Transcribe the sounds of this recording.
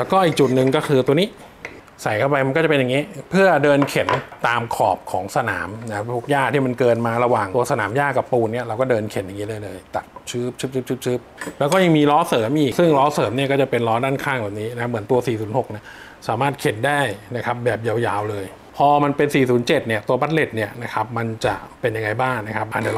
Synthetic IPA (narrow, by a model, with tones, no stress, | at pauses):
t̪ɛː˨˩kɔː˥˩ʔiː˨˩k̚t͡ɕu˨˩t̪̚nɯ˨˩ŋkɔː˥˩kʰɯː˧t̪u˧ɐniː˦˥ | sa˨˩jkʰa˥˩wpa˧jma˧nkɔː˥˩t͡ɕa˨˩pe˧ja˨˩ŋːiː˦˥pʰɯ˥˩ɐdɤː˧nkʰe˨˩˦nt̪aː˧mkʰɔː˨˩p̚kʰɔ̰ː˩˦ŋsa˧na̰ː˩˦mna˦˥t̪ʰu˦˥k̚jaː˥˩t̪ʰiː˥˩ma˧nkɤː˧nmaː˧ɾa˧waː˨˩ŋt̪u˧ɐsa˧naː˩˦mjaː˥˩ka˨˩pːuː˧nːi˥˩ɐɾa˧wkɔː˥˩dɤː˧nkʰe˨˩˦nja˨˩ŋːiː˦˥lɤː˧jlɤː˧jt̪a˨˩t̪̚t͡ɕʰɯː˦˥p̚t͡ɕʰɯː˦˥p̚t͡ɕʰɯ˦˥p̚t͡ɕʰɯː˦˥p̚t͡ɕʰɯ˦˥p̚lɛː˦˥wkɔː˥˩ja˨˧˩ŋmiː˧ɾɔː˦˥sɤː˩˦mʔiː˨˩k̚sɯ˥˩ŋɾɔː˦˥sɤː˩˦mni˥˩ɐkɔː˥˩t͡ɕa˨˩pe˧nɾɔː˦˥daː˥˩nkʰaː˥˩ŋbɛː˨˩p̚niː˦˥na˦kʰa˥mɯ˩˦nt̪u˧ɐsiː˨˩suː˩˦nho˨˩k̚ni˦˥˩ | saː˩˦maː˥˩t̪̚kʰe˩˦ndaː˥˩jna˦˥kʰa˦˥p̚bɛː˨˩p̚ja˧wjaː˧wlɤː˧j | pʰɔː˧ma˧npe˧nsiː˨˩suː˩˦nt͡ɕe˨˩t̪̚ni˥˩ɐt̪u˧ɐba˦˥t̪̚le˨˩t̪̚ni˥˩ɐna˦˥kʰa˦˥p̚ma˧nt͡ɕa˨˩pe˧nja˧ŋːa˧jbaː˥˩ŋna˦˥kʰa˦˥p̚ʔaː˨˩na˨˩